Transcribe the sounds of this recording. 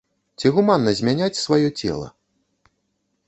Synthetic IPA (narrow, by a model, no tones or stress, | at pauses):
t͡sʲiɣumanːɐzʲmʲanʲat͡sʲsvajɔt͡sʲɛ̰lˠɐ̰